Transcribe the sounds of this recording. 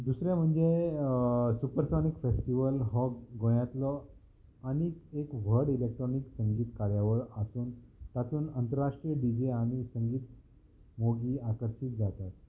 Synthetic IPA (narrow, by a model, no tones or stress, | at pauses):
d̪usɾẽm̤əɳd͡ze | supəɾsanikfesʈiʋəlɦɔɡõjãt̪lɔ | aɽ̃iekʋ̤ʱəɽilek̚ʈɾoniksəŋɡiːt̪kaɾjaʋəɾəsuːnt̪at̪uːnənt̪əɾaʂʈɾijəɖid͡ʑiaɽ̃isəŋɡiːt̪ | moɡiakəɾɕit̪̚d͡zat̪at̪̚